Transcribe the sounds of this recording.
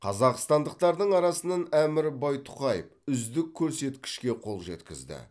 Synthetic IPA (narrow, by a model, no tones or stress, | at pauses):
qʰɑzɑqst̪ɑnd̪əq̚t̪ɑɾd̪əɴɑɾɑsənɑnæmɪɾbɑjt̪ʰʊ̥qɑjə̰pʏzd̪ɪkʲʰːɵɾse̞t̪kʲɪ̥ʃkʲe̞qʰo̞lˠʒe̞̰t̪kʲɪzd̪ɪ̰